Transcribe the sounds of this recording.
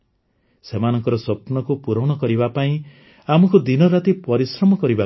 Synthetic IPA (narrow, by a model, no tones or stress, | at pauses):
semanɔŋkɔɾɔsɔpnɔkupuɾɔwɽ̃ɔkɔɾibapaĩ | amɔkud̪inɔɾat̪ipɔɾisɾɔmɔkɔɾiba